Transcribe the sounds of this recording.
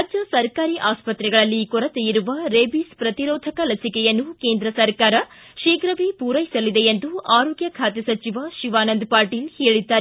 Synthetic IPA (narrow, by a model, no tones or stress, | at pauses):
ɐd͡ʒɐsɐɾkaːɾiʔaːspɐt̪ɾɛɡɐɭɐlːikɔɾɐt̪ejiɾuʋɐɾeːbispɾɐt̪iɾoːd̪ʱɐkɐlɐsikɛjɐnːukeːnd̪ɾɐsɐɾkaːɾɐ | ʃiːɡɾɐʋipuːɾɐjisɐlid̪eend̪uaːɾoːɡjɐkʰaːt̪jɐsɐt͡ʃiʋɐʃiʋaːnɐnd̪paːɾʈiːlheːɭid̪ːaːɾe